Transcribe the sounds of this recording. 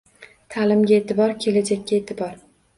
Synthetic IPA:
t̪ʰalɪmɡʲae̞t̪ʰɪbɒɾkʲʰe̞lad͡ʒakʲːaet̪ʰɪbɒɾ

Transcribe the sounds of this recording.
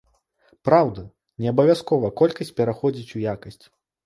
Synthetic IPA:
pɾawd̪ɐ | nʲɛɐbɐvʲaskɔvɐkɔlʲkɐsʲt͡sʲpʲɛɾaxɔd͡zʲit͡sʲujakɐsʲt͡sʲ

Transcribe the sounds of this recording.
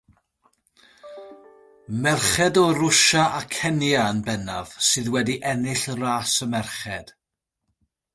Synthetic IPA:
mɛrχɛdɔɾʊʃaʔakʰɛnjaənbɛnav̥sɨːðwɛdiʔɛnɪɬraːsəmɛrχɛd̥

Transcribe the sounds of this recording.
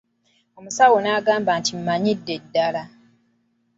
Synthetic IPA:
o̞musawonaːɡaːmbantim̩maɲidːe̞dːala

